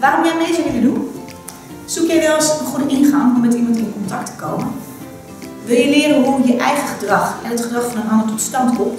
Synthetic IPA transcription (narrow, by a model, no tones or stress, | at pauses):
ʋaːrɔmjɛmeːzəɦɛvədun | sukjɛjʋɛlˠsənχudəʔinxaŋɔmɛtimɑntɪnkɔntak̚tʰə̥kowmən | ʋɪlˠjəlɪəɾəɦujəʔɛjɣəχədrɑxɛnətχədrɑxfɔnənɦɑndətɔtstɑntɔ